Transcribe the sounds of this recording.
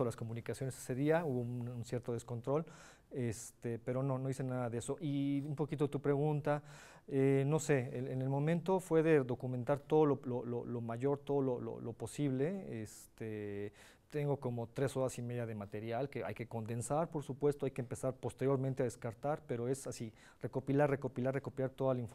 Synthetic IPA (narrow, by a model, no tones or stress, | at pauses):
olasko̞mũnikasjo̞ne̞se̥se̞ðiauβoununsje̞ɾt̪o̞ð̞esko̞nt̪ɾo̞l | est̪epe̞ɾo̞no̞no̞ðisenaðaðe̞so̞ʔiumpo̞kit̪oet̪upɾe̞ɣ̞unt̪a | eno̞se̞eenelmõ̞mẽnt̪o̞fwe̞ðe̞ðo̞kument̪aɾt̪o̞ðololololomaʝo̞ɾt̪oðololo̰lo̞po̞siβle̞est̪e | t̪e̞ŋɡo̞ko̞mo̞t̪ɾe̞so̞ɾasime̞ðjað̞e̞mat̪e̞ɾjalke̞a̰jke̞ko̞nd̪e̞nsaɾpo̞ɾsupwe̞st̪oajkeːmpe̞saɾpo̞st̪e̞ɾjo̞ɾmẽnt̪eaðeskaɾt̪aɾpe̞ɾo̞e̞sasi | re̞ko̞pilarre̞ko̞pilaɾre̞kopilaɾt̪o̞ðalaiɱf